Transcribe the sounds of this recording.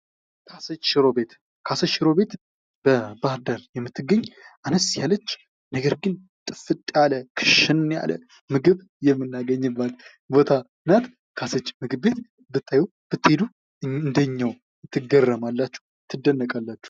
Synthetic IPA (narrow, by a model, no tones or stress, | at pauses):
kʰasət͡ʃʃɾobet̪ | kʰasəʃɪɾo̞be̞t̪ | b̥əbahd̪aljɛmːɨt̪ʰːɨɡːəɲːʔanəsjalət͡ʃː | nəɡəɾɡɨn | t̪ʼɨfɨt̪ʼjaləkʰɨ̥ʃɪnja̰lə̰ | mɨɡɨβ | jɛmːɨnːaɡəɲːɨbːat̪ | bo̞t̪ʰa | ɨnat̪ | kʰasət͡ʃːmɨɡɨbbe̞t̪ | bɨt̪ʰːajɛw | b̥ɨt̪ːe̞d̪u | ɨnd̪əɲːaw | t̪ʰːɨɡərːəmalːat͡ʃːu̥h | t̪ʰːɨd̪ənːəkʼalːat͡ʃːu̥